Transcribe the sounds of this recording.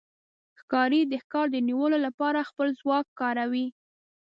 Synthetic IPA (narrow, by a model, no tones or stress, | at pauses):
xkɑɾid̪əxkɑɾd̪əniwəlolapɑɾaxpəlzwɑkːɑɾawi